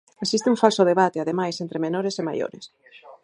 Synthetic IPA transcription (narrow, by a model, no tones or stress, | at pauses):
eksist̪eũɱfalsʊð̞eβat̪eaðemajsent̪ɾemenoɾesema̰jo̰ɾḛs